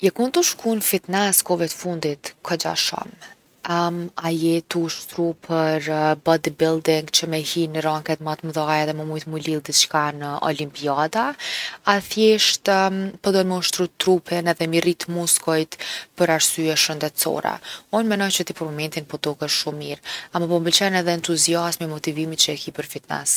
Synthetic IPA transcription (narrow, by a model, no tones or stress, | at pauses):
jɛkunt̪uʃkunfit̪nɛskɔvɛt̪fund̪it̪kʰɔd͡ʒa̰ʃɔ̰m | ajɛt̪uʃt̪ɾupʰəɾbɔd̪ibilˠd̪iŋɡt͡ɕəmɛhinɾaŋkɛt̪mat̪məðajɛðɛməmujt̪mulilˠd̪it̪t͡ʃkanəʔɔ̰limpiad̪aaθjɛʃt̪pɔd̪ɔnmɛuʃt̪ɾut̪ːɾupʰɛnɛðɛmirit̪muskɔjt̪pəɾaɾsyɛʃənd̪ɛt̪t͡sɔ̰ɾɛ̰unmɛnɔjt͡ɕət̪ipɔɾmɔmɛnt̪inpɔt̪ɔkəʃʃumːiɾamɔpɔmbəlt͡ʃɛnɛðɛːnt̪uziasmimɔt̪ivimit͡ʃəɛkipəɾfit̪nɛ̰s